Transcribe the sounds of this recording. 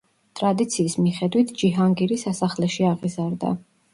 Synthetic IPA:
t̪ʼɾad̪it̪sʰiːsmiχɛd̪wit̪ʰd͡ʒiɦaŋɡiɾisasaχlɛʃiaʁizaɾd̪a̰

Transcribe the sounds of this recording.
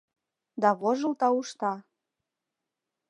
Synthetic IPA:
d̪ɑβoʒɤlt̪ɑuʃt̪ɑ

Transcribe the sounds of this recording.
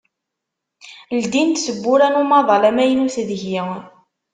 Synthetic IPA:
ld̪int̪səbːʊɾænumɑðˤɑlæmæjnuθðəçi

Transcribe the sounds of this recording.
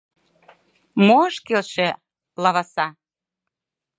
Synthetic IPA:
moʃkelʃĕ | lɑβɑsɑ

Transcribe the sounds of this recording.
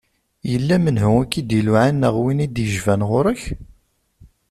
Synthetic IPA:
jəlːæmənɦʊækːid̪iluʕanːəʁwinid̪jəʒvænʁʊɾəç

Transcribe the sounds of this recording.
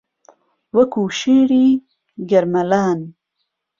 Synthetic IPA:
wɐkuːʃeɽi | ɡɐɾmɐlaːn

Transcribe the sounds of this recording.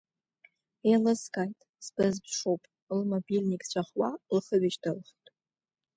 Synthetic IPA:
elɨskʼajtʼ | sb̥ɨzbʂowpʼ | lmobilʲnikʼt͡ɕʷʰaχwalχəɥɪt͡ʃdɨlχtʼ

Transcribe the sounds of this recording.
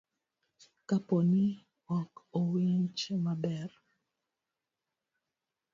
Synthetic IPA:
kaponi | ɔkowiɲt͡ʃmabɛr

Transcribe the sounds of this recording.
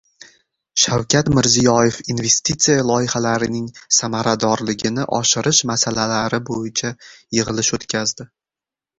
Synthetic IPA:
ʃawkʲʰat̪mɪɾzijɒjefinve̞st̪it̪sijalˠɒjɪhalaɾɪnɪŋsamaɾad̪ɒɾlɪɡʲɪnɪʔɒ̰ʃɪɾɪʃmasalalaɾɪbojɪt͡ʃʰajɨʁɨlɪʃot̪kʲʰazd̪ɪ

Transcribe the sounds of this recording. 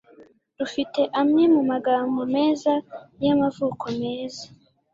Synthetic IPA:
dufite̞ʔamŋe̞mumaɡaːmbome̞ːzajamavuːko̞me̞ːzḁ

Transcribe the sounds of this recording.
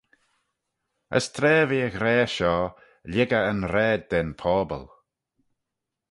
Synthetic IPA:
ə̰st̪ʰɾɛːviːəɣɾɛːʃɔː | lʲɪɡəənɾɛːd̚ːɛnpʰɔːbə̰lˠ

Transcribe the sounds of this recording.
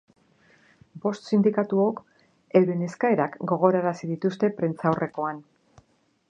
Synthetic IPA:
bo̞st̪sind̪ikat̪uo̞k | e̞wɾene̞skae̞ɾakɡo̞ɣ̞o̞ɾaɾasiðit̪ust̪e̞pɾent͡sawre̞ko̞an

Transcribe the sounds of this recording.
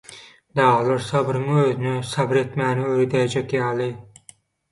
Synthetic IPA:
d̪ɑːlˠɑɾsɑbɾɯŋøːðynysɑbɾet̪mæːniøɾed̪æjd͡ʒekʲjɑːlˠɯ

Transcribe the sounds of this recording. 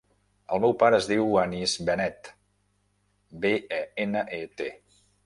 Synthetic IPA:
əlˠmɛwpaɾəːzðiwanizbənɛt̪ | beɛenəʔet̪e

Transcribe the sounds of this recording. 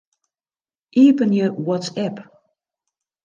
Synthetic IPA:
ʔiːpənjəwɔtsɛp

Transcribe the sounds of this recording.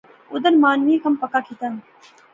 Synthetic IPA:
ʊd̪əɾmaːnʋiːkʰɐmpɐkakʰit̪ən

